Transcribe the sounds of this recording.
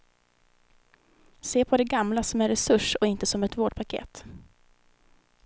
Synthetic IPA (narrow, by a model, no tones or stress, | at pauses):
seːpʰɔd̪ɛɡamlasɔmæɾɛsɵʂɔɪnt̪əsɔmɛt̪voːɖpʰakʰḛːt̪